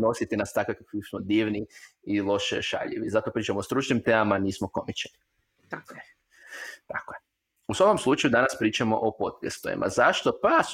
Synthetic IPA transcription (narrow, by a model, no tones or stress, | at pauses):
no̞sit̪inast̪akʋekakʋifsmod̪iːʋni | ilˠo̞ʃɛ̰ʃa̰ʎḛʋizat̪opɾiːt͡ʃamoost̪ɾut͡ʃnimt̪eːmamaniːsmoko̞mit͡ʃeni | t̪akoe | usʋako̞mslˠut͡ʃajud̪anaspɾiːt͡ʃamo̰ʔopo̞t̪̚kest̪oʋḭmʔa̰zaʃt̪o̞pas